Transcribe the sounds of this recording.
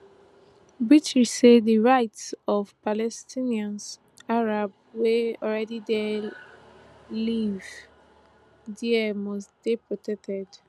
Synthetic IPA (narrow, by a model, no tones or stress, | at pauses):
bit͡ʃɹisediɹaɪtsɔvpalɛstʰĩniãns | aɹab̚ | weɔlɹɛdide | liv | diɛmɔstd̥ipɹɔtʰɛk̚tɛd̥